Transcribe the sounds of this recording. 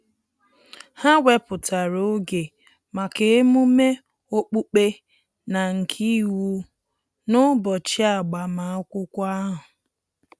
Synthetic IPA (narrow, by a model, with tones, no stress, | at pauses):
ha˦wʷe˦pʊ˨tʰa˨ɾo˨˦ɡe˨ | ma˨ke˨e˦mu˦me˦ | o˦k͡pu˦k͡pe˦ | na˨ŋ̩˨kʰi˦wu˦ | nʊ˦bɔ˨t͡ʃi˦a˨ɡ͡ba˨ma˨˦kʷʊ˦kʷa˦ɦʊ˨